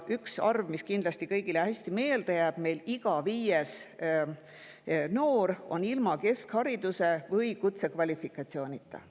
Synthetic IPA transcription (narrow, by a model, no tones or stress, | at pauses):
ʔyksɑrvmiskind̪lɑsʲt̪ikɤjɡ̥ilehæsʲt̪ime̞ːld̪̥ejæːb̥me̞jliɡ̥ɑviːjes | no̞ːɾo̞̰nilmɑke̞skhɑɾid̪̥use̞vɤjkut̪sekvɑlʲifikːˑɑt̪sio̞ːnʲit̪ːˑɑ̰